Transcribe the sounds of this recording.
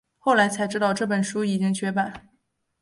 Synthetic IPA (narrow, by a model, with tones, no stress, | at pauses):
xo˥˩ʊla˧˥ɪt͡sʰa˧˥ɪʈ͡ʂɻ̩˥t̪ɑ˥˧ʊʈ͡ʂɤ˥˩pə˨˩nʂu˥i˨˩t͡ɕi˥ŋt͡ɕʰɥɛ˧˥pa˨˩˦n